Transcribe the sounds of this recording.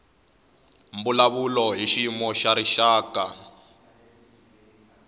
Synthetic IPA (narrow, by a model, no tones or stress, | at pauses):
mbulaβulɔɦiʃimɔʃaɾiʃaːka̰